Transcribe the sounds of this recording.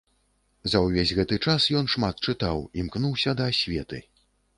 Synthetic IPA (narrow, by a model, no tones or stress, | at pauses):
zɐwvʲezʲɣɛt̪ɨt͡ʂasjɔn̪ʂmat̪̚t͡ʂɨt̪awimknuwsʲɐd̪ɐːsʲvʲɛt̪ɨ